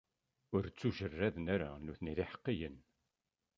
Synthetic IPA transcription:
ʊɾt͡sːuʒərːæðnæɾa̰nuθəniðɪħə̥qːijən

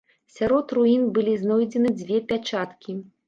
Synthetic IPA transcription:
sʲaɾɔt̪ruinbɨlʲiznɔjd͡zʲɛnɨd͡zʲvʲɛpʲat͡ʂat̪kʲi

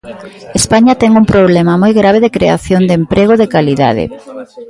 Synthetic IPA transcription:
espaɲat̪ɛŋuŋpɾoβlɛmɐmojɣɾaβeðɪkɾeaθjond̪empɾʔeɣ̞oðɪkaliða̰ðɪ̰

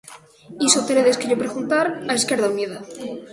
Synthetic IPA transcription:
isot̪eɾeðeskeʝopɾeɣunt̪aɾaeskeɾðawmjeða

